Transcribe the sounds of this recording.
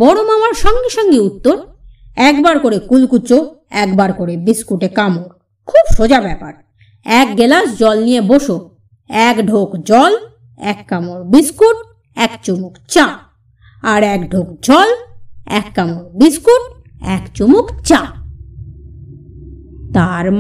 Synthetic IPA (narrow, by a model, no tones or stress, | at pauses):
bɔɾomamaɾʃɔŋɡeʃɔŋɡeut̪ːoɾ | ɛkbaɾkoɾekulkut͡ɕo | ɛkbaɾkoɾebiskuʈekamoɾ | kʰubʃod͡ʑabɛpa̰ɾ | ɛk̚ɡelasd͡ʑɔlnijeboʃo | ɛkɖʱokd͡ʑɔl | ɛ̰kːamoɾbiskuʈ | ɛkt͡ɕomokt͡ɕa | aɾɛkɖʱokd͡ʑɔlɛkːamoɾbiskuʈ̚ | ɛ̰kt͡ɕumokt͡ɕa | t̪aɾ